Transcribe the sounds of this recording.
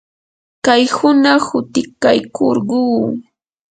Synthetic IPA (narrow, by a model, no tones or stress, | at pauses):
kajhʊnahʊt̪ɪkajkʰoɾɢuː